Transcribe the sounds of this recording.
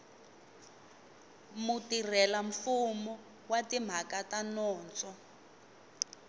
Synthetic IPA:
mutir̤ɛlaɱfumɔ | watim̤akatanɔːnt͡sɔ

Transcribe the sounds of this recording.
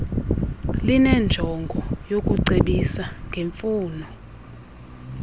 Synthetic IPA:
linɛnd͡ʒʱɔŋɡʱɔjok̬ʼuǀeɓisaŋɡʱeɱfuːnɔ

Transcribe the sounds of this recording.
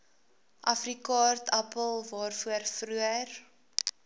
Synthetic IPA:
ʔɐfrikɑːrtʰɐpəlˠvɑːrfuərfruər

